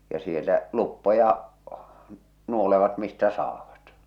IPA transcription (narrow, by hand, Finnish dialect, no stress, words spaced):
jɑ sielˑæ lupːojɑ nuoleʋɑt mistæ sɑːʋɑt